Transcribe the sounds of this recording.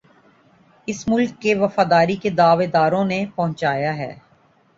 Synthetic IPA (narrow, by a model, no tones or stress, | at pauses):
ɪsmʊlkːeʋɐfaːd̪aːɾiked̪aːʋed̪aːɾõnepɐɦʊ̃t͡ʃaːjaɦɛ̰ː